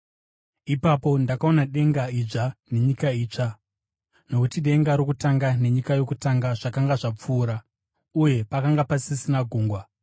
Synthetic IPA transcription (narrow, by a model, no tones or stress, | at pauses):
ipapo̞ndakao̞naɗe̞ŋɡaiʐane̞ɲikaiːt͡ʂa | no̞kutiɗe̞ŋɡaɾokutaŋɡane̞ɲikajo̞kutaŋɡaʐ̥akaŋɡaʐap͡fuːɾa | uje̞pakaŋɡapasisinaɡʱuːŋɡwa